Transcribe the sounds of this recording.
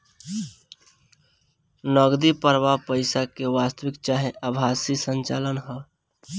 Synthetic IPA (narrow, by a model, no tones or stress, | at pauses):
nəɡd̪ipəɾʋapəɪsakewast̪əwɪkt͡ʃaɦẽʔəbʱasisə̃nt͡ʃalənɦɛ